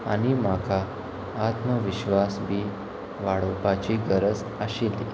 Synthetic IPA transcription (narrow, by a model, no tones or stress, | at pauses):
aɽ̃imakʰaː | t̪məʋiɕʋasbʱiː | ʋaɽopat͡ɕiːɡəɾəd͡z | əɕeli